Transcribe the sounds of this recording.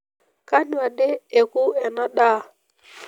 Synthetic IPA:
ka˦n˦a˨de˦e˨ku˦ɛ˨na˦ɗa˦˨

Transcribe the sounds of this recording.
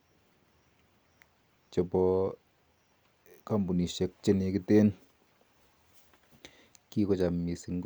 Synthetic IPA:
t͡ʃe˨pɔ˧ | ka˦mbu˨ni˨ʃe˨˧k̚t͡ʃe˦ne˧ki˦te˦n | ki˦kɔ˦˧t͡ʃa˨mːi˨si˧˨ŋk

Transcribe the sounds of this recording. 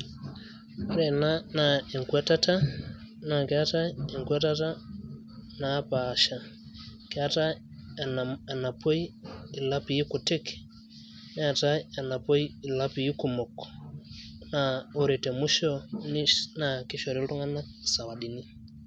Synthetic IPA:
a˦ɾɛ˨nana˨ɛ˨ŋkwɛ˦ta˦ta˦ | na˨kɛ˦a˦ta˦ɛ˨ŋkwɛ˦ta˦ta˦ | na˨˦paː˨ʃa˨ | kɛ˨a˦ta˦ | a˨na˨pɔ˦iː˦˨la˦pi˨ji˦ku˨tɛ˦ki̥ | n˦a˨ta˦a˨na˨pɔ˦i˦i˨la˦pi˨ji˦ku˨mɔ˨kɔ̥ | naɔ˨ɾɛ˨tɛ˨mu˦ʃɔ˦nina˨ki˦ʃɔ˨ɾi˦lu˦ŋa˦na˦ | sa˨wa˨ɗi˨ni˦

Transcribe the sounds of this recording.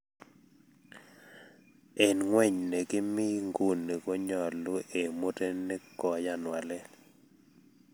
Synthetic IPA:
ɛ˨nŋwɛ˦˨ɲne˨ɡɪ˦mɪ˦ŋɡu˨nːe˨ɡo˦ɲɔ˨lo˦ʔe˨mo˦te˦nɛ˦kɔ˨ja˦nwa˨lɛ˦

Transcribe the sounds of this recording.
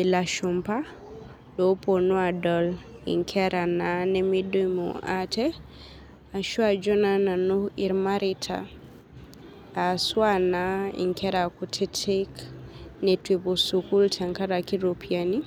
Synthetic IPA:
i˨la˨ʃumpa˦ | do˦po˨nu˦a˨dɔl | ḭ˨ŋkʰɛɾa˨nanɛmido˦mṵʔatɛ | a˨ʃu˦a˨d͡ʒɔ˦na˦na˨nu˦i˨ɾmaɾitʰa̰ | swa˦naḭ˨ŋkɛɾakutʰɛ˦tʰeknɛtwibo˨suku˦ltʰa˨ŋka˦ɾaki˦ɾopʰiani˦

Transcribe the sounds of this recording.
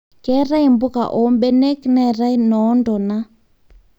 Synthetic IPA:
kɛ˦ɾa˦i˨mbʊ˦ka̰˨ʔɔ˨˦mbɛ˦nɛ˦knɛ˦˨ɾa˦i˦nɔ˨˦ndɔ˨na˦

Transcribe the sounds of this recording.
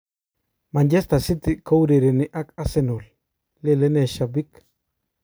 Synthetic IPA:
ma˨ɲɟɛ˦st̪a˨si˦t̪i˨ka˦wɾe˨ɾe˨nɪ˨ʔa˦ka˦sɛ˦nu˨l | le˦lɛ˦nɛ˨ʃabi˦k

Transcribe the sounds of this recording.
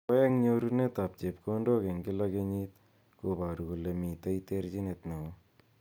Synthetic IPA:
ɛ˦ŋɲoɾune˦t̪a˨p̚t͡ʃe˨pkondo˦ke˨ŋɡɪ˦lakeɲit̪̚ | koba˨ɾu˨ku˨le˨mi˨t̪a˦it̪eɾt͡ʃi˦ne˨t̪ne˨o

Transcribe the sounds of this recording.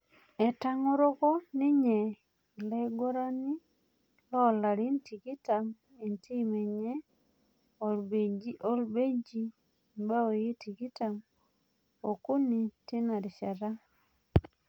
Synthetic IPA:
ɛ˨ta˦ŋo˦ɾo˦kɔ˦ni˦ɲɛ˨ | le˦ɡo˦ɾa˦ni˦ | lɔ˦˨la˨ɾi˦nti˨ki˦ta˨m | i˨nti˦mɛ˨ɲɛ˦ | o˨lbe˨d͡ʒi˦ʔo˦lbe˦d͡ʒi˦ | ba˦o˨ji˦ti˨ki˦ta˨m | o˨ku˦ni˨tɪ˦na˨ɾi˨ʃa˨ɾa˦

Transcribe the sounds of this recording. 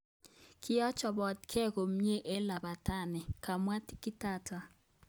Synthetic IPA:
kʰi˦jɔ˦t͡ʃʰa˨bɔ˨tkʰɛ˦˨ko˨m̩˦ɲɛ˦ʔɛ˦la˨ɓa˨tʰa˦˨nɛ˨kʰa˨mwa˦ti̥˦ki˦taː˦tʰa˨

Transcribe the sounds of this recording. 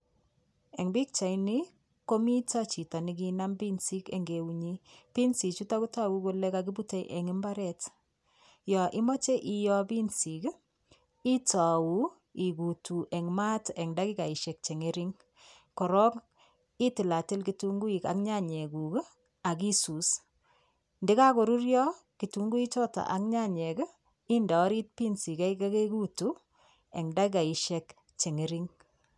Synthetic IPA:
ɛ˨ŋbi˦k̚t͡ʃa˨jni˦ | ko˦mi˦ta˦t͡ʃi˨ta˨ni˨k̬ina˦mbi˦nsi˦kḛ˨ŋɡe˨uɲi˦pi˦nsi˨t͡ʃu˦ta˦ku˦ta˦wu˦ko˦lɛ˦kaki˦bu˦te˦jʔɛ˨ŋɪ˦mba˦ɾɛ˦t | jɔ˨ʔɪ˦mɔ˦t͡ʃe˦ʔijɔ˦bi˦nsi˨k | i˦ta˨wu˦ | i˨ku˨tu˨ʔɛ˨ŋma˦tɛ˨ŋda˦ki˦ka˨i˨ʃe˨k̚t͡ʃe˨ŋe˦ɾi˦ŋ | kɔ˨ɾɔ˦k | i˦tɪ˨la˨tɪ˦lki˦tu˦ŋɡu˦i˨ka̰˨kɲa˦ɲe˨ɡu˨k | a˨ki˦su˨s | ndɪ˦ka˦ko˨ɾu˦ɾjɔ˦ | ki˨tu˨˦ŋɡu˦i˦t͡ʃɔ˦ta̰˨ʔa˨ŋɲa˦ɲɛ˨ɡə˦ | i˦nda˨ɔ˦ɾi˦t̚pi˦nsi˨kɛ˦ika˦ke˦ɡu˦tu˨ | ɛ˨ŋda˦ki˦ka˨i˨ʃɛ˨k | t͡ʃe˨ŋe˦ɾi˦ŋ

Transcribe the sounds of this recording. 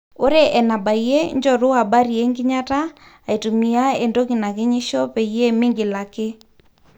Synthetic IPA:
o˦ɾe˦ʔɛ˨na˨ba˨ie˦ɲd͡ʒɔ˨ɾʊ˦a˨ba˦ɾi˨e˦ŋɡɪ˦ɲa˦taː˦˨ | i˨tu˨mi˨a˦e˨ndo˦ki˨na˨kɪ˦ɲi˦ʃɔ˦pe˨ie˦mɪ˦ŋɡɪ˨la˨ke˦

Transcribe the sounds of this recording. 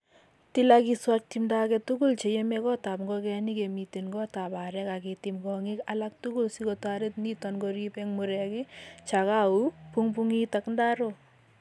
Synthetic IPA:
ti˦lakiswak̚timda˦kɛ˨tu˦ɡu˦lt͡ʃe˨je˦mɛ˦kɔ˦ta˨pŋɡɔkɛ˧ni˦ke˨miti˨nɡɔ˦ta˨ba˨ɾɛka˨kiti˨mɡɔ˨ŋi˦kalak̚tu˦ɡu˦lsi˦kɔtwaɾe˦t̚ni˦tɔ˨nɡɔɾipɛŋmu˨ɾɛkɪ˦t͡ʃa˨ka˦u˦puŋpuŋitakndaɾo

